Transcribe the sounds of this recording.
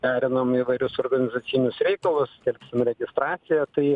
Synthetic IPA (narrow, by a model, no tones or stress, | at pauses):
æːɾʲɪnɐmiːʋɐɪɾʲʊsoːrɡɐnʲɪzɐt̪sʲɪnʲʊsɾʲɛɪkɐlˠʊst̪ʲɛlʲkʲsʲɪmɾʲɛɡʲɪst̪ɾɑːt̪sʲɪjɛt̪ɐɪ